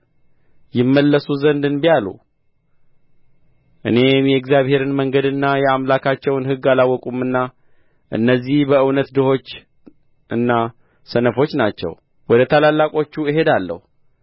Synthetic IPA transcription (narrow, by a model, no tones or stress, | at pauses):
jɪmːəlːəsuzənd̪ɨnbijalṵ | ʔɨ̰ne̞mjɛɨɡzijaβhe̞ɾɨnməŋɡəd̪ɨnːajɛamlakʰat͡ʃːɛwnhɨɡːalawːɔkʼumɨnːa | ʔɨ̰nːəzːihbəɨwnət̪d̪ɨho̞t͡ʃː | ʔɨnːa | sənəfo̞t͡ʃːnat͡ʃːɛ̰w | wɔd̪ət̪ʰalalːakʼo̞t͡ʃːuiɦe̞d̪alːə̰hu